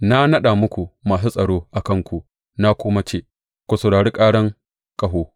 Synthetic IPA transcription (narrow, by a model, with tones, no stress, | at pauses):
na˦nɐ˦ɗa˨mʊ˦kʷu˨maː˨s̬u˦sʼɐ˨ɽoː˦ʔa˨kɐ˦˨ŋkʷu˨ | na˦kʷʊ˦ma˦t͡ʃeː˦˨ | kʷu˨sɐ˨ɽaː˨ɽiː˦kʼaː˦ɽɐ˦ŋ | kʼɐ˨ɦoː˦